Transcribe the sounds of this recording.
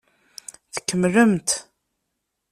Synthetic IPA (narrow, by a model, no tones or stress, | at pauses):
θə̥kːəmləmt̪